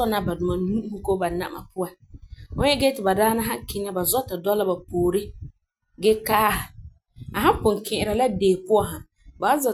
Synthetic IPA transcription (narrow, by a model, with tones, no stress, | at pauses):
ɔ˦na˦ba˨dʊ˨ma˨nu˦ʔu˦hu˦ko˦ba˨na̰˨ʔma̰˨pʊ˦ã˨ | ʊ˦ɛ˦ɡɛ˦tɪ˨ba˨daː˦na˦ɦã˦kɪ˦ŋa˦ba˨zɔ˦ta˨dɔ˦la˦ba˨poː˨ɾɪ˦ | ɡɛ˦ka˦ha˨ | a˨ɦã˦pʊ̃˨ŋkʰɪ̃˨ʔɪ˨ɾa˨la˦deː˨pʊ˦a˨ɦã˨ | ba˨˦za˨